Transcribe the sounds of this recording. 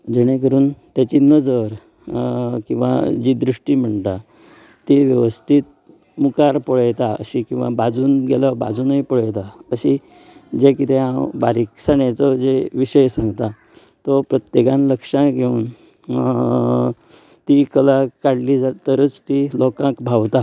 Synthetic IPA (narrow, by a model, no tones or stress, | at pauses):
d͡ʑəɽ̃ẽkəɾuːnt̪jat͡ɕinəd͡zəɾ | kĩw̃ʋa̰d͡ʑid̪ɾiʂʈiːm̤əɳt̪a | t̪iʋjəʋəst̪ʰit̪̚ | mukaɾpɔɭəjt̪aə̰ɕikĩw̃ʋa̰bad͡zuːnɡeləba̰d͡zuːnəjpɔɭəjt̪aəɕi | d͡zekit̪ʰẽãwbaɾiksaɳjat͡sɔd͡zeʋiɕəjsãŋɡt̪a | t̪ɔpɾət̪jekãnləkʂãɡʱeuːn | t̪ikəlakaɽlid͡zat̪əɾət͡st̪ilɔkãkbʱawt̪a